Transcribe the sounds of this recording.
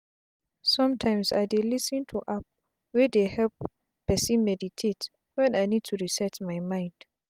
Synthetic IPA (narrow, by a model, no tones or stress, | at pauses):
sɔ̃mtʰãɪ̃msa̰jdelisə̃ntʰuʔap̚ | wɛdehɛlp | pɛsĩnmɛditʰet | wɛ̃najnid̚tʰuɹisɛtmajmãɪ̃nd̥